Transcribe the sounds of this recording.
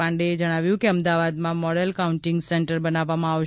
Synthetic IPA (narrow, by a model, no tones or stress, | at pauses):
ãɳɖeːd͡ʒəɽ̃aʋjũkeəmd̪aʋad̪mãmɔɽəlkaũɳʈɪŋɡsɛɳʈəɾbənaʋːamãaʋ